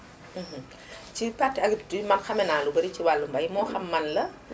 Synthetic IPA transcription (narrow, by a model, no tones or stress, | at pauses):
m̩ːh̩ | t͡ʃipatːɐɡdmɐnxɐmɛnaːlubɐɾiciwalːumbɐjmɔːxɐmːɐnlɐ